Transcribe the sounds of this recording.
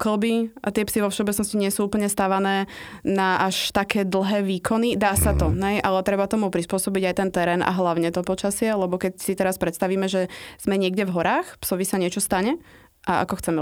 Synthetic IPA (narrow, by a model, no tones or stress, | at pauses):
kl̩biʔat̪ɪɛpsiʋɔfʃɛɔbɛtt͡snɔsciɲɪɛsuːuːpl̩ɲɛst̪aʋanɛː | naʔaʃt̪akɛːd̪l̩ˠɦɛːʋiːkʰɔnid̪aːsat̪ɔɦɛjʔalɛt̪ɾɛbat̪ɔmupɾispʊɔsɔbiɟajt̪ɛnt̪ɛɾɛːnʔa̰ɦlaʊɲɛt̪ɔpɔt͡ʃasɪɛlɛbɔkɛcsit̪ɛɾaspɾɛt̪st̪aʋiːmɛʒɛz̥mɛɲɪɛɡɟɛvɦɔɾaːxpsɔʋisaɲɪɛt͡ʃɔst̪aɲɛ | ʔaa̰kɔxt͡sɛmɛ